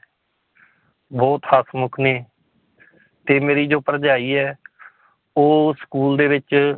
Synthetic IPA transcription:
bɔːt̪hasmʊkʰneː | t̪eːmeːɾiːd͡ʒoːpəɾd͡ʒaːiːɛː | oːskuːld̪eːʋɪt͡ʃ

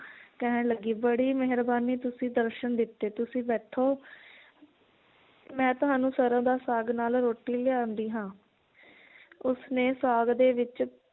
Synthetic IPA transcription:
kɛɦɛ̃ləɡiːbəɽiːmɛɦɾbaːniːt̪ʊsĩːd̪əɾʃənd̪ɪt̪ːeːt̪ʊsĩːbɛːʈʰoː | mɛ̃ːt̪ʊɦaːnũːsəɾãːd̪aːsaːɡnaːlɾoːʈiːleãːnd̪iːɦãː | ʊsneːsaːɡd̪eːʋɪt͡ʃ

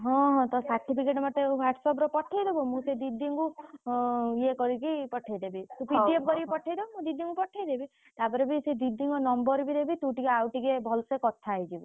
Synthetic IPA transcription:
ɦɔ̃ɦɔ̃t̪ɔsaɾʈʰipʰikeʈɔmat̪ewaʈsɔbɾɔpɔʈʰːajd̪ebumũsed̪id̪iŋku | jekɔɾikipɔʈʰajd̪ebit̪ũpiiep̚kɔɾipɔʈʰajd̪ebumũd̪id̪iŋkupɔʈʰajd̪ebi | t̪apɔɾebised̪id̪iŋɡɔnɔmbɔɾbid̪ebit̪ũʈikeawʈikebʱɔlsekɔt̪ʰajd͡ʒibi

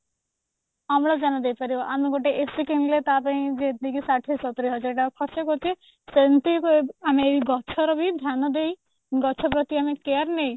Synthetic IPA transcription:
amɽad͡ʒanɔd̪ejpaɾibɔʔameɡoʈeʔesikiŋlet̪apaĩd͡ʒet̪̚ikisaʈʰisɔt̪ɾiɦɔd͡ʒɔɾʈakʰɔsɔkɔɾt̪ʰe | sent̪ikameːiɡɔt͡ʃʰɔɾɔbʱid̪ʱjanɔd̪ej | ɡɔt͡ʃʰɔpɾɔt̪iamekeaɾnej

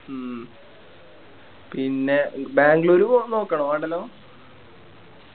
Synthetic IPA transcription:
pinːebaːŋɡloɾupoːno̞ːkːɐɳɐmɐɳɖɐlːoː

